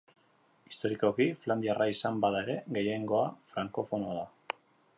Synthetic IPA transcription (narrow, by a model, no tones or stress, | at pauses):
i̥st̪o̞ɾiko̞kifland̪iaraisambaðae̞ɾe̞ɣe̞je̞ŋɡo̞afɾaŋko̞fo̞noaða